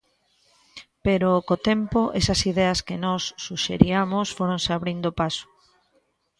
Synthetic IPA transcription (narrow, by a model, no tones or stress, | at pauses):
peɾokot̪ɛmpoʔesɐsiðɛɐskɪnɔsːuʃḛɾiamosfoɾõnseaβɾind̪opaso̥